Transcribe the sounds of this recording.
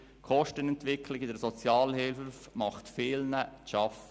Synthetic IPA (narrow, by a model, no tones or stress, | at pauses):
kʰɔʃtənɛntʋɪkʰlɪɡɪdəɾsɔt͡sjɑːlhɪlffmɑχt̪fɪːlnəʃɑf